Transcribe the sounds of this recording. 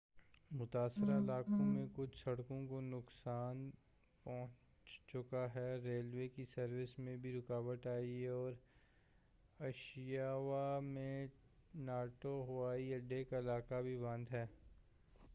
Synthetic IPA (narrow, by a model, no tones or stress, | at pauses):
mʊt̪aːsɾaɪlaːkõmẽkʊt͡ʃʰsɐɽkõkonʊksaːn | pɔ̃ɦʊ̃t͡ʃ | t͡ʃʊkaɦɛɾeːlweːkisɐɾʋɪsmẽbʱiɾʊkaːʋəʈ̪aːieɔːɾ | ɐʃjaːʋamẽnaːʈoɦʊʋaːiɐɖːekaɪlaːkabʱibɐ̃nd̪ɦɛː